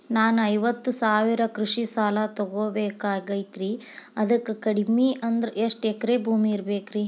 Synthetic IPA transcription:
naːnuɐjʋɐt̪ːusaːʋiɾɐkɾuʂisaːlɐt̪ɔɡoːbeːkaːɡɐjt̪ɾi | ɐd̪ɐkːukɐɽimiʔɐnd̪ɐɾeʂʈɛkːɐɾe̞ːbʱuːmiːɾbeːkɾi

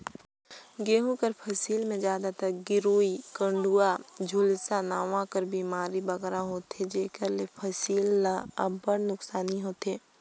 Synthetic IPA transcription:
ɡeːɦũkəɾpʰɐsiːlmẽd͡ʒjaːd̪at̪ɐk̚ɡɪɾoːikə̃ɳɖuːad͡ʒʱuːlsanaːʋãkəɾbʱiːmaːɾibɐɡɾaɦoːt̪ed͡ʒeːkəɾlepʰəsiːlaəbəɽnʊksaːniɦoːt̪eː

